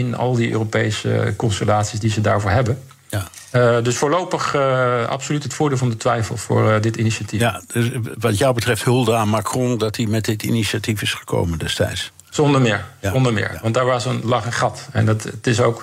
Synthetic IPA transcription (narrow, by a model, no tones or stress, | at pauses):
ɪnɑ̰lˠdiʔø̰ːropejsə̰kɔnstəlaːtsisdizədaːɹvʊːɹɦɛbən | dɵsfʊːɹlowpəχɑ̰psolytɦətfʊːɹdɪːlˠvɑndətʋɛjfə̰lˠv̥ʊ̰ːɹdɪtiniʃatiaʋɑtjɔwbətrɛfthɵlˠdəanmakrɔ̃dɑtimɛt̚dɪtḭniʃatifɪsχə̥ko̰wməndɛstɛ̰jts | zɔndəmɪːɹɔndəɹmɪ̰ːɹʋɑntdaːɹʋaːəzənlɑχəχɑtɛ̰ndɑttɪsowk